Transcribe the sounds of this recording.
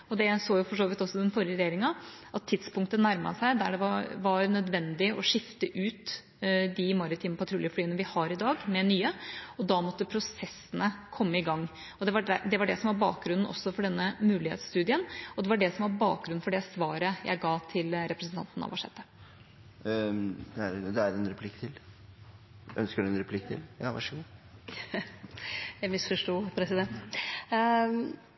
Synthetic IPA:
ɔd̪ɛsoːjʊfɔʂoːʋɪt̪ɔsːɔd̪ɛnfɔɾɪəɾɛjeːɾɪŋɑʔɑt̪ʰːɪt̪spʊŋk̚t̪ənæɾmɑ̰sæɪd̪æɖɛʋɑʋɑɾnœd̪ʋɛnd̪ɪʔɔʂɪft̪əʔʉːt̪ | d̪ɪmɑɾɪt̪ʰiːməpʰɑt̪ʰɾuːljəflyːənəʋɪhɑɾɪd̪ɑːɡmɛnyːəɔd̪ɑːmɔt̪ːəpʰɾʊsɛsːənəkʰɔmːəɪɡɑŋː | ɔd̪ɛʋɑɖæd̪ɛʋɑɖɛsɔmʋɑɾbɑ̰ːk̚ɡɾʉnn̩ɔ̰sːɔfɔɖɛnːəmʉːlɪhḛt̪sst̪ʉːd̪ɪənɔd̪ɛʋɑɖɛsɔmʋɑɾbɑːk̚ɡɾʉn̩fɔɖɛsʋɑːɾəjæ̰ɪɡɑːt̪ʰɪlɾɛpɾəsən̩t̪ɑ̰nt̪nɑ̰ʋɑʂɛ̰t̪ːə | d̪ɛæɾd̪ɛæɾɛnɾɛpʰlɪkːt̪ʰɪl | ʔœ̰nskəɖʉɛnɾɛpʰlɪkːt̪ʰɪ̰ljɑ̰ːʋɑ̰ʂəɡuː | jæɪmɪsfɔʂʈuːpʰɾɛsɪd̪ɛnt̪

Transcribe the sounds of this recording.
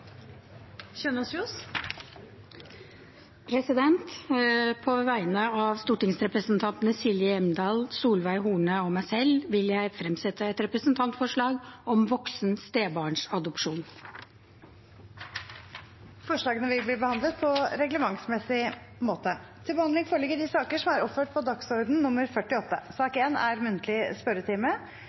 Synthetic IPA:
çœnːəɔsjuːs | pʰɾɛsɪd̪ɛnt̪pʰɔʋæɪnəɑʋst̪uːʈɪŋsɾɛpɾəsnt̪ʰɑnt̪ənəsɪljəɛmd̪ɑːlsuːlʋæɪɦuːɳəɔmæɪsɛlʋɪljæɪfɾɛmsɛt̪əɛt̪ɾɛpɾəsnt̪ʰɑnt̪fɔʂɭɑːɡɔmʋɔksnst̪eːbɑːɳʂɑd̪ɔpʂuːn | fɔʂɭɑːɡənəʋɪlbliːbəhɑnd̪lət̪̚pʰɔɾɛɡləmɑŋsmɛsɪ | moːt̪ət̪ʰɪlbəhɑnd̪lɪŋfoːɭɪɡːəɖɪsɑːkəʂɔmæɾɔpføːʈ̚pʰɔd̪ɑksɔɾd̪n̩nʊmːəɾfœʈːɪɔt̪ːə̰sɑːkeːnæ̰ɾmʉnt̪əlɪspœɾət̪ʰɪːmə

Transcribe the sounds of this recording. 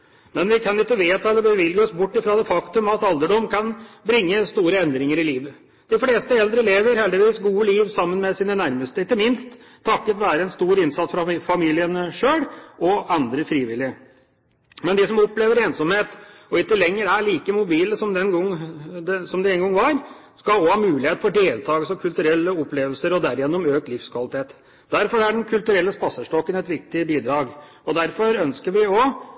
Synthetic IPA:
mɛnʋɪkʰɑnɪk̪ːəʋeːt̪ʰɑɛlːəbəʋɪlɡəɔsbʊʈːɪfɾɑːd̪ɛfɑkt̪ʉmɑt̪ɑld̪əɖɔmkʰɑnbɾɪŋːəst̪uːɾəɛnd̪ɾɪŋəɾɪliːʋə | d̪̥ɪfleːst̪əɛld̪ɾəleːʋəɾhɛld̪ɪʋiːsɡuːəliːʋsɑmːənmɛsiːnənæɾməst̪əɪt̪ːəmɪnst̪ʰː | ɑkːət̪ʋæːɾəɛnst̪uːɾɪnsɑt̪sfɾɑfɑmiːlɪənəʂøːɽɔɑnd̪ɾəfɾiːʋɪlɪə | mɛnd̪ɪsɔmɔpleːʋəɾeːnsɔmheːt̪ɔɪkːəlɛŋːəɾæɭiːkəmʊbiːləsɔmd̪ɛnɡɔŋːd̪ɛsɔmd̪ɪɛnɡɔŋːʋɑɾskɑɔhɑːmʉːlɪheːt̪̩fɔɖeːlt̪ʰɑːɡəsɔkʰʉlt̪ʉɾɛlːəɔpːleːʋəlsəɾɔd̪æɾɪjɛnːʊmøːk̚t̪lɪfskʰʋɑlɪt̪ʰeːt̪ | d̪æɾfɔɾæɖɛnkʰʉlt̪ʉɾɛlːəspɑsəʂʈɔkːənɛt̪ʋɪk̚t̪ɪbiːd̪ɾɑːɡ | ɔd̪æɾfɔɾœnskəɾʋɪɔ

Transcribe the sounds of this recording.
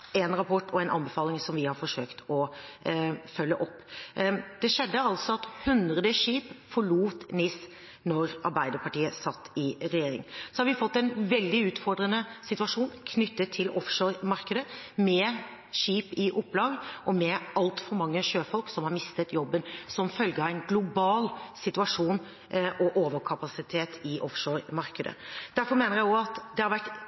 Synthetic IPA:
ɛnɾɑpʰɔʈːʰɔɛnʔɑ̰nbəfɑːlɪŋsɔmʋɪhɑɾfɔʂøːkt̪ɔ | fœlːə̰ʔɔpː | d̪̥ɛʂɛd̪ːəɑlt̪sɔɑt̪hʉnd̪ɾəd̪əʂiːpfɔɭuːt̪nɪs | nɔɾʔɑ̰ɾbæɪd̪əɾpɑʈiːəsɑt̪ːɪɾɛjeːɾɪ̰ŋsɔhɑɾʋɪfɔt̪ːɛnʋɛld̪ɪʉːt̪fɔɖɾənəsɪt̪ʉɑʂuːnkʰnʏt̪ːət̪ʰːɪlɔfʂoːɾmɑɾkəd̪əmɛ | ʂiːpɪʔʊpːlɑːɡəʔɔmɛʔɑlt̪fɔɾmɑŋːəʂøːfɔlksɔmhɑɾmɪst̪ət̪jɔbːənsɔmfœlɡəɑʋæɪnɡlʊbɑːlsɪt̪ʉɑʂuːn | ʔɔʔoːʋəɾkʰɑpɑsɪt̪ʰeːt̪ʰɪʔɔfʂoːɾmɑɾkəd̪ə̰d̪̥æɾfɔɾmeːnəɾjæɪjɔɑt̪d̪ɛhɑɾʋæʈ

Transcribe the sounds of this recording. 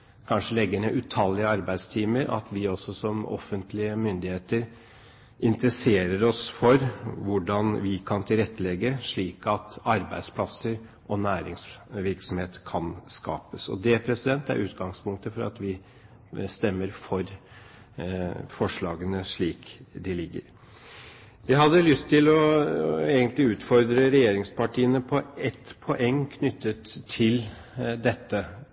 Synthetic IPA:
kʰɑnʂəlɛɡːəɳəʔʉt̪ʰɑlːɪəɑɾbæɪd̪st̪ʰiːməɾɑ̰t̪ʋɪɔsːɔsɔmɔ̰fːənt̪lɪəmʏnd̪ɪheːt̪əɾ | ʔɪnt̪ɾəseːɾəɾɔsfɔɾʋʊɖɑnʋɪkʰɑnt̪ʰɪlɾɛt̪ːəlɛɡəʂɭiːkɑt̪ɑɾbæ̰ɪd̪spʰlɑsəɾ | ʔɔnæːɾɪŋsʋɪɾksɔmheːt̪kʰɑnskɑ̰ːpəsɔ̰d̪ɛpʰɾɛsɪd̪ɛnt̪æ̰ɾʔʉːt̪ɡɑŋspʊŋkt̪əfɔɾɑ̰t̪ʋɪ | st̪ɛmːəɾfɔɾ | fɔʂɭɑːɡənəʂɭiːkd̪ɪlɪɡːə̰ɾ | jæɪɦɑd̪ːəlʏst̪ʰːɪlɔ | eːɡənt̪lɪʉːt̪fɔɾd̪ɾəɾɛjeːɾɪŋspɑʈiːənəpʰɔɛt̪pʰɔʔɛŋːkʰnʏt̪ːət̪ʰːɪl | d̪ɛt̪ːə

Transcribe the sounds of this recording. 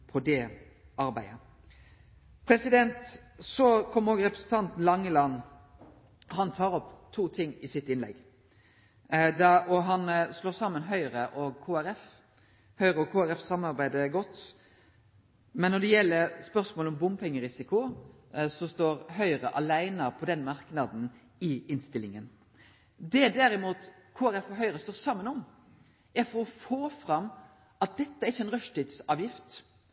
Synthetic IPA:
pʰɔd̪ɛ | ɑɾbæɪə | pʰɾɛsɪd̪ɛnt̪ | sɔkʰɔmːəɾoːɡɾɛpɾəsn̩t̪ɑnt̪n̩lɑŋːəlɑnː | hɑnt̪ʰɑːɾɔpt̪ʰuːt̪ʰɪŋːɪsɪt̪ːɪnlɛ̰ɡ | d̪ɛʔɔɦɑnsloːsɑmːənɦœʏəɾəʔɔɡkʰuːæɾɛf | hœʏɾəɔkʰuːæɾɛfsɑmnɑɾbæɪd̪əɡɔt̪ː | mɛnːɔd̪ɛjɛlːəɾspœɾsmoːlɔmbʊmpʰɛŋːəɾɪsɪkʊ | sɔst̪oːɾɦœʏɾəʔɑlæɪnəpʰɔd̪ɛnmɑɾknɑd̪n̩ | ɪɪnst̪ɪlɪŋən | d̪ɛd̪æɾɪmuːt̪ | kʰoːæɾɛfɔɦœʏɾəst̪oːsɑmːənɔm | æɾfɔɾɔfoːfɾɑmː | ɑt̪̚d̪ɛt̪ːəæɾɪçːəɛnʁœʂt̪id̪sɑːʋjɪft̪

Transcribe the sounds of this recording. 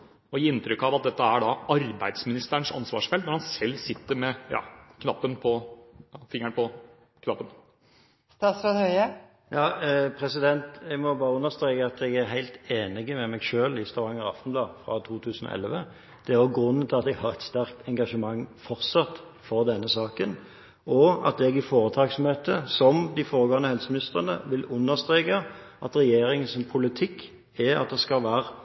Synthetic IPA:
ɔɪɪnt̪ɾʏkːɑʋɑt̪̚d̪ɛt̪ːəæɖɑɑɾbæɪd̪smɪnɪst̪əæɳʂɑ̰nsʋɑ̰ːʂfɛlnɔɾhɑnsɛlːsɪt̪ːəɾmɛjɑ̰ːkʰnɑpːənpʰɔɑfɪŋəɳpʰɔ | kʰnɑpːən | st̪ɑːt̪sɾoːd̪hœʏə | jɑːpʰʁɛsɪd̪ɛnt̪ɛɡmɔbɑːʁəʉnːəʁst̪ʁeːkəɑt̪ɛɡæʁɦæɪlt̪eːnɪɡəmɛmɛɡʃøːlɪst̪oːʁɑŋəʁɑ̰ft̪n̩blɑːdfʁɑ̰t̪ʰuːt̪ʰʉːsnɔ̰ʔɛ̰lʋə | d̪̥ɛæʁjʊɡʁʉnːənt̪ʰɪlɑt̪d̪ɛɡhɑʁɛt̪st̪æʁk̚t̪ɛŋɡɑʂəmɑŋːfɔʁt̪sɑt̪ | fɔʁd̪ɛnːəsɑːkən | ʔɔɑt̪̚ɛɡɪfoːɾət̪ʰɑːɡsɔm̩heːt̪əsɔmd̪ɪfoːɾəɡoːʁənəhɛlsəmnɪst̪əʁənə̰ʋɪlʉnːəʁst̪ɾeːkə | ʔɑt̪ʁɛjeːɾɪŋənsɔmpʰʊlɪt̪ʰɪkː | æɑt̪̚d̪ɛskɑʋæːʁə

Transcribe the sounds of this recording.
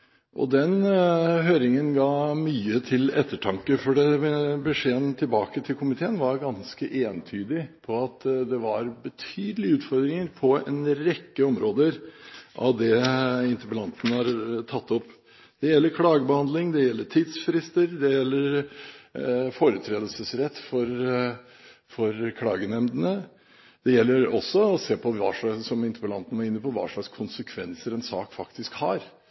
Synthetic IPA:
ʔɔ̰d̪ɛnɦøːɾɪŋənɡɑːmyːət̪ʰɪlɛt̪ːəʈʰɑŋkəfɔɖɛbəʂeːənt̪ʰɪlbɑːkət̪ʰɪlkʰʊmɪt̪ʰeːənʋɑɾɡɑnskəʔeːnt̪ʰyːd̪ɪpʰɔɑt̪d̪ɛʋɑɾbət̪ʰyːd̪əlɪʉːt̪fɔɾd̪ɾɪŋəɾpʰɔɛ̰nɾɛkːəɔmɾoːd̪əɾʔɑ̰ʋd̪ɛɪnt̪əbəlɑnt̪nəhɑɾt̪ʰɑt̪ːɔpː | d̪̥ɛjɛlːəɾkʰɽɑːɡəbəhɑnd̪lɪŋd̪ɛjɛlːəʈʰiːd̪sfɾɪst̪əɾd̪ɛjɛlːəɾ | foːɾʉt̪ʰɾeːd̪əlsəsɾɛt̪ːfɔɾ | fɔɾkʰɽɑ̰ːɡənɛmd̪ənə | d̪̥ɛjɛlːəɾɔsːɔɔseːpʰɔʋɑ̰ːʂɑsɔmɪnt̪əɾplɑ̰nt̪nəæɾɪnːəpɔʋɑ̰ːʂɭɑkskʰʊnsəkʰʋɛnsəɾɛnsɑ̰ːkfɑkt̪ɪskhɑɾ

